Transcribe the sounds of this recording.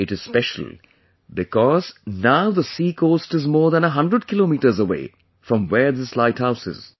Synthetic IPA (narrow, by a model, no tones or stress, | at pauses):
ɪʈɨz̥spɛʃə̰l̩ˠ | bɪkɔz̥naʊðəsiːkʰoːsʈɪzmɔːðæ̃nəɦʌ̃ndɾəɖ̚kɪloːmiːʈə˞zəwḛː | fɾɔ̃mwɛɹðɪslaɪthaʊsɪ̰z̥